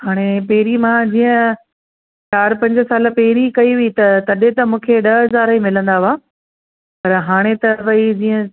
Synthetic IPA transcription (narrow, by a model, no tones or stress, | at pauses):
haːɽ̃epɛɦɾimãd͡ʑiːə̃ | t͡ɕaːɾpɐ̃ɲd͡ʑə̆saːlə̆pɛɦɪɾikɐiʋit̪ɐt̪ɐɗẽt̪ɐmũːkʰeɗɐɦɦɐzaːɾaimɪlə̃nd̪aaː | pɐɾɦaːɽ̃et̪ɐʋɐid͡ʑiːə̃